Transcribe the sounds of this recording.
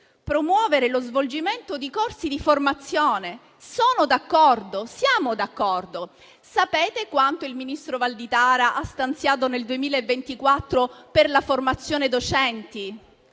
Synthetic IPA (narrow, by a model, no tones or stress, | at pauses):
pɾomwɔːveɾelozvold͡ʒiment̪od̪ikorsid̪iformat̪sːjoːne | soːnod̪akːɔrd̪osjaːmod̪akːɔrd̪o | sapeːt̪ekwant̪oilminist̪ɾovald̪it̪aːɾaʔast̪ant̪sjaːt̪̬oneld̪uemiːlaevːent̪ikwat̪ːɾoperlaformat̪sːjoːned̪ot͡ʃɛnt̪i